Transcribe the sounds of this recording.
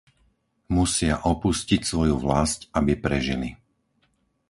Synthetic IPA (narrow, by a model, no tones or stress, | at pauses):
musɪaʔɔpuscicsʋɔjuʋlascabipɾɛʒili